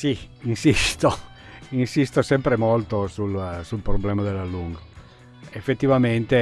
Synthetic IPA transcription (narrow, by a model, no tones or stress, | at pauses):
si | insist̪o | insist̪osɛmpɾemolt̪osulsulpɾoblɛːmad̪elːalːuŋɡo | efːet̪ːivament̪e